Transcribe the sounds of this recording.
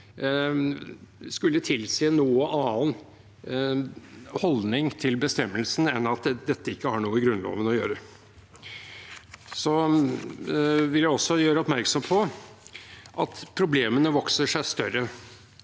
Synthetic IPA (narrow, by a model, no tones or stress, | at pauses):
skʉlːət̪ʰɪlseːnuːəʔɑːn | hɔlnɪŋt̪ʰɪlbəst̪ɛmːəlsn̩ɛnɑt̪d̪ɛt̪ːəɪkːəhɑɳuːəɡɾʉnlo̰ːʋənɔjøːɾə | sɔ | ʋɪljæɪɔsːɔjøːɾəɔpmæɾksɔmpʰɔ | ʔɑt̪pʰɾʊbleːmənəʋɔksəʂæɪst̪œɾə